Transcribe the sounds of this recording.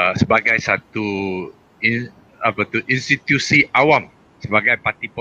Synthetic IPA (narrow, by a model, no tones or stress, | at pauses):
səbaɡajsat̪u | i | apat̪uʔinst̪it̪jusiʔawam | səbaɡajpat̪ipɔ